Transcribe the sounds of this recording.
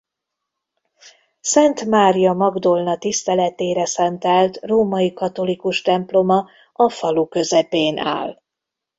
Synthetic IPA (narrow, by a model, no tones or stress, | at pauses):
sɛnt̪maːɾijɒmɒɡd̪o̞lnɒt̪ist̪ɛlɛt̪eːɾɛsɛnt̪ɛlt̪roːmɒjikɒt̪o̞likuʃt̪ɛmplo̞mɒ | ɒfɒlukø̞zɛpeːnʔa̰ːl